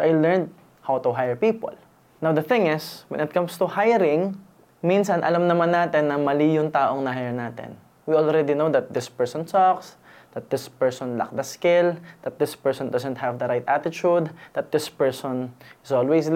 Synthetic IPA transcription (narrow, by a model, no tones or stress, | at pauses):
soʔajlɛɹnd̪̚ | hawt̪ʊɦajɛɹpiːpo̰l | nawd̪ɐθɪ̃ŋɪswɛ̰nɪt̪̚kɐ̃mst̪ʊhajɾɪ̃ŋ | minsɐnʔɐ̰lamnɐmanːaːt̪ɛnːɐmɐliːjʊŋt̪aːʔoŋnɐɦajɛɹnaːt̪ɛ̰n | wiʔɔlɹɛd̪inowd̪ɐt̪̚d̪ɪspɛɹsɔ̃nsɔks | d̪̥ɐt̪̚d̪ɪspɛɹsɔ̃nlɐ̰k̚d̪ɐskɪld̪̥ɐt̪̚d̪ɪspɛɹsɔ̃nd̪ɐsɛ̃nt̪̚hɐvd̪ɐɾajt̪ʔat̪ɪt͡ʃud̪d̪ɐt̪̚d̪ɪspɛɹsɔnɪsolwɛjs